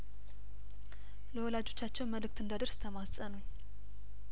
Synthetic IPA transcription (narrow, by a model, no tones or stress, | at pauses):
ləwɔlad͡ʒo̞t͡ʃːat͡ʃːɛwnməlɨk̚t̪ɨnd̪ad̪ɨɾsɨ̥t̪ʰəmasʼənəɲ